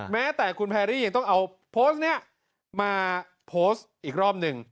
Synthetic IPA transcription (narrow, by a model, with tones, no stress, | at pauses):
mɛː˦˥t̪ɛː˨˩kʰu˧npʰɛː˧ɾiː˥˩ja˧ŋt̪ɔ˥˩ŋʔa˧w | pʰoː˦˥s̚ni˦˥ɐ | maː˧ | pʰoː˦˥sʔiː˨˩k̚ɾɔː˥˩p̚nɯ˧ŋ